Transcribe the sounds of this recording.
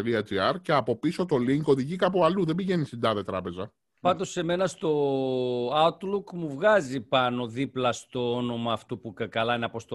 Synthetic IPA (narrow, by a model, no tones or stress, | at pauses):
ɾiɐd͡ʒiɐɾceɐpo̞piso̞t̪o̞liŋko̞ðiʝikɐpoɐluðebiʝe̞nisind̪ɐðe̞t̪ɾɐpe̞zɐ | pɐnd̪o̞se̞me̞nɐst̪o̞ | ɐut̪lukmuvɣɐzipɐnoðiplɐst̪o̞ono̞mɐːft̪upukɐkɐlɐinɐpo̞st̪o